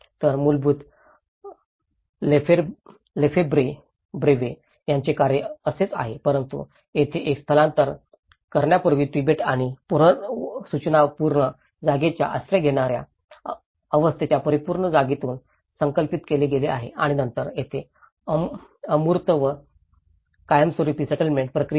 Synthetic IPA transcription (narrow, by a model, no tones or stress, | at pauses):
t̪əɾmulbuːt̪ | lefe | lefebɾe | bɾeʋe | jaɲt͡ɕekaɾjəəset͡sa̰ɦepəɾənt̪ṵ | jet̪ʰeʔekst̪ʰəlãnt̪əɾ | kəɾɳjapəɾʋiːpibeʈaɽ̃ipuɾəsut͡ɕnapuɾɳə | d͡zaɡet͡ɕja̰ʔə̰sɾeɡʱeɽ̃aɾja̰ | əʋəst̪ʰet͡ɕjapəɾipuɾɳəd͡zaɡit̪uːn | səŋkəlpit̪keleɡelea̰ɦḛʔaɽ̃inənt̪əɾjet̪ʰe | əmuɾt̪əʋə | kajəmsoɾipisəʈəlmeɳʈ̚pɾəkɾi